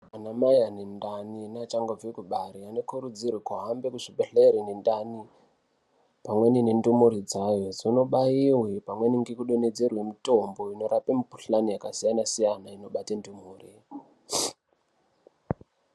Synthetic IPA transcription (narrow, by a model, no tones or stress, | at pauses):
anamajanendaninat͡ʃaŋɡovekuɓaɾianokuɾud͡zirwekuɦambe̞kuʐibeɬeɾinendani | pamwe̞ninendumuɾid͡zajo̞zino̞ɓaiwepamwe̞niŋɡekuɗone̞d͡zerwe̞mito̞mbo̞ino̞ɾapemipu̥ɬanijakasijanasijanaino̞ɓatendumuːri